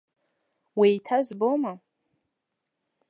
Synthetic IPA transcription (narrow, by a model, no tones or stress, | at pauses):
wejtʰazboma